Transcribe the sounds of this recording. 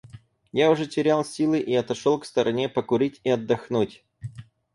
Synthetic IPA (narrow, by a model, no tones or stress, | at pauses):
jaʊʐɛtʲɪɾʲalˠsʲilˠɨʔiɐt̪ɐʂolˠkst̪əɾʔɐnʲe̞pəkʊɾʲitʲiɐd̪ːɐxnutʲ